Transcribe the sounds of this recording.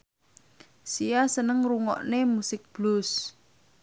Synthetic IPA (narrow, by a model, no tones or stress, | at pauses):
siasənəŋruŋɔ̰ʔnemusɪk̚b̥lʊs